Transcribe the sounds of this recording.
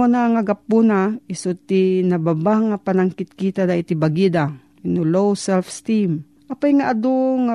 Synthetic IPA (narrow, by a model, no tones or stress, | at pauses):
onaŋaɡapːunaisʊt̪inababaŋːapanaŋkɪt̪̚kit̪ad̪ait̪ibaɡid̪a | inulowsɛlfst̪im | ʔapajŋaʔad̪oŋa